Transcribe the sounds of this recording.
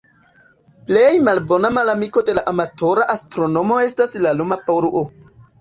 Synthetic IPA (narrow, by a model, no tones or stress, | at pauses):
ple̞jmalbo̞namalamiko̞de̞laʔamato̞ɾaʔastɾo̞no̞mo̞e̞staslalumapaɾuʔo